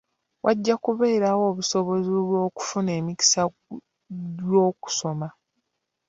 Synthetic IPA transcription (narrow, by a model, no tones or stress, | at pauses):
wʔaɟːakuβe̞ːɾawo̞ːβuso̞βo̞zoβwo̞ːku̥fune̞ːmiki̥sa | jo̞ːku̥so̞ma